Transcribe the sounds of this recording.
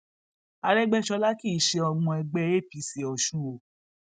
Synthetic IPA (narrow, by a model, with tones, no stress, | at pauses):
a˧ɾɛ˦ɡ͡bɛ˦ʃɔ˧la˦ki˦˨i˨ʃe˧ɔ˧ɡ͡bɔ̃˧ɛ˧ɡ͡bɛ˧˦e˦˨pi˨˧˦si˨ɔ˨ʃũ˦o˨